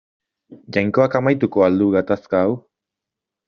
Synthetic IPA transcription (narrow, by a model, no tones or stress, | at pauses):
d͡ʑaŋkoakamajt̪̬ukoald̪uɣat̪askaːu